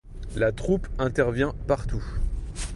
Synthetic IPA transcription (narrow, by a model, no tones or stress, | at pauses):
lat̪χupɛ̃t̪ɛʁvjɛ̃paʁt̪u